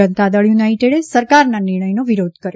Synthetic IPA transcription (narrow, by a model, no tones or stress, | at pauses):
ənt̪ad̪əɭjunaiʈeɽesəɾkaɾnanɪɾɳ̃əjnoʋiɾod̪ʱkəɾj